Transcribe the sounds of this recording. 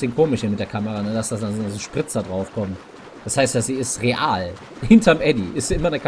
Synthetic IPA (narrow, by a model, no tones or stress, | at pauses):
sɪnkʰoːmɪʃimɪt̚d̥eːɐkʰaməʁanədasd̥adanzozoʃpʁ̥ɪt͡sdadʁaʊfkʰɔmt | d̥ashaɪstjaːziːɪstʁeʔaːl | hɪntʰɐmʔɛdiʔɪstz̥iʔɪmɐnəkʰ